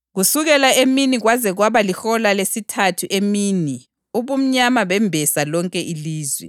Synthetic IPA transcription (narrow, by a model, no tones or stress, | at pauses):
ɣusuɣɛlaeminiɣwazɛɣwaβalixɔlalesitʰatʰuʔemiːni | uβum̩ɲamaβɛmbʱɛsalɔŋkʼɛʔiliːzwɛ̰